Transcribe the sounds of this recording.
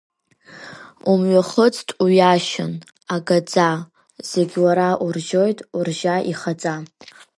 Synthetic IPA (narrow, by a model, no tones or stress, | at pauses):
umɥaχət͡sʼtʰʼuɥaʃɪn | aɡad͡za | z̥eɡʲwaɾaʔurʒo̞jtʼurʒaʔiχad͡zʼa